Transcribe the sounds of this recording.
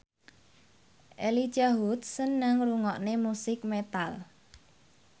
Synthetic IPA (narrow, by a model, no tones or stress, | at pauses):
ʔeli̥d͡ʒaɦut̪̚sənːəŋruŋɔʔnemusɪk̚met̪al